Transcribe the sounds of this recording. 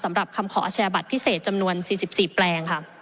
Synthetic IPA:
sa˩˦mɾa˨˩p̚kʰa˧mkʰɔː˩˦ʔaː˧t͡ɕʰja˧ba˨˩t̪̚pʰi˦˥˩seː˨˩t̪̚t͡ɕa˧mnu˧ənsiː˨˩si˨˩p̚siː˨˩plɛː˧ŋkʰa˥˩

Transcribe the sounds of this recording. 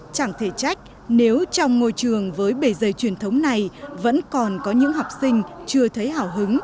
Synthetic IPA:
t͡ɕa˧˩ŋt̪ʰe˧˩t͡ɕa˦˥jk̟̚ | ne˨˦wt͡ɕɔ˧wŋ͡mŋo˧jt͡ɕɨ˨˩əŋvəː˨˦jɓe˧˩zə˧˨˩jt͡ɕwi˧˩ənt̪ʰə˨˦wŋ͡mna˨˩jvə̰˧˥nkɔ˨˩nkɔ˨˦ɲɨ̰˧˥ŋɦɔ˨˩wk͡p̚sï˧ŋ̟t͡ɕɨ˧ət̪ʰə˨˦jɦaː˧˩wɦɨ˨˦ŋ

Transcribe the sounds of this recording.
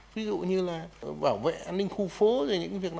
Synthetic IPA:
vi˨˦zṵ˧˨ɲɨ˧laː˨˩ɓaː˧˩wvḛ˧˨ʔaː˧nːï˧ŋ̟xu˧fo˨˦zo˨˩ɲɨ̰˧˥ŋ˦vi˨˩ək̚n˧

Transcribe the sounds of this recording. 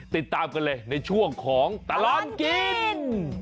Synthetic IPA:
t̪i˨˩t̪ːaː˧mka˧nlɤː˧jna˧jt͡ɕʰu˥˩əŋkʰɔː˩˦ŋt̪a˧lɔ˦˧˥mki˧n

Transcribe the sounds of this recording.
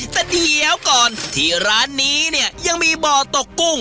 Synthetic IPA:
t̪ɛː˨˩diː˧˩lɛː˦˥wkɔː˨˩nt̪ʰiː˧˩ɾaː˦˥nːiː˦˥ni˥˩ɐja˧ŋmiː˧bɔː˨˩t̪o˨˩kːu˥˩ŋ

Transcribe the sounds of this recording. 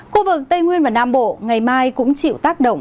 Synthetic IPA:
xu˧vɨ˨˩k̚t̪ə˧jŋwi˧ənvaː˨˩naː˧mɓo̰˧˨ŋa˨˩jmaː˧jkʊ̰˧˥ŋ͡mt͡ɕḭ˧˨wt̪aː˦˥k̚ɗə̰˧˨ŋ͡m

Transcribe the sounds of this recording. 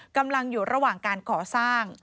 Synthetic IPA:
ka˧mla˧ŋjuː˨˩ɾa˧waː˨˩ŋkaː˧nkʰɔː˨˩˦saː˥˩ŋ

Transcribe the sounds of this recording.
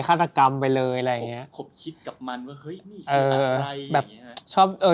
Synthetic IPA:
kʰaː˥˩t̪ːa˧ka˧mpa˧jlɤː˧jʔa˧ɾa˧jːa˨˩ŋi˦˥ɐo˩˦mkʰi˦˥t̪̚ka˨˩p̚ma˧nwaː˥˩hɤ˦˥jʔɤː˩˧bɛː˨˩p̚t͡ɕʰɔː˥˩p̚ʔɤː˧

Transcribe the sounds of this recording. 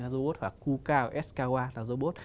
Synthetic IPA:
a˦zo˧ɓo˦˥t̚hwaː˨˩kːu˧kaː˧wʔɛ˦˥skaː˧ɣwaː˧laː˨˩zo˧ɓo˦˥t̚

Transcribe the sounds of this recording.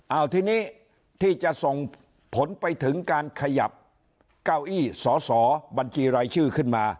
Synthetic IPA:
ʔaː˧˩wt̪ʰiː˥˩niː˦˥˩ | t̪ʰiː˥˩t͡ɕa˨˩ʔso˨˩ŋ | pʰo˩˦npa˧jt̪ʰɯ˩˦ŋkaː˧nkʰa˧ja̰˨˩p̚ | kaː˥˩wʔiː˥˩sɔː˩˦sɔː˩˦ba˧nt͡ɕʰiː˧ɾaː˧jt͡ɕʰɯː˥˩kʰɯ˥˩nmaː˧

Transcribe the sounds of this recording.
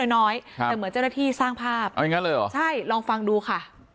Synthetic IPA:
jnɔː˦˥j̪ɛː˨˩mɯ˩˦ənt͡ɕa˥˩wnaː˥˩t̪ʰiː˥˩saː˥˩ŋpʰaː˥˩p̚a˧ja˨ŋa˦˥lɤː˧jɔ̰˨˩t͡ɕʰa˥˩jlɔː˧ŋfa˧ŋduː˧kʰa˥˩

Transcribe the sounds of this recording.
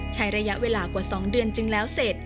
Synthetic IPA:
t͡ɕʰa˦˥jɾa˧ja˦˥ʔweː˧laː˧kwaː˨˩sɔː˩˦ŋdɯ˧ənt͡ɕɯ˧ŋlɛː˦˥wse˨˩t̪̚

